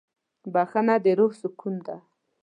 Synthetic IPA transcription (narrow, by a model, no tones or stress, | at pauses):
baxanad̪eɾohsʊkʰund̪a